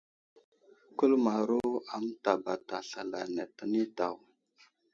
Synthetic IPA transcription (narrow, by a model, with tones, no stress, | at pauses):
ku˦lma˨ɾu˦a˨m˦ta˨ba˨ta˨ɬa˨la˨ne˨tə˦ni˦ta˨w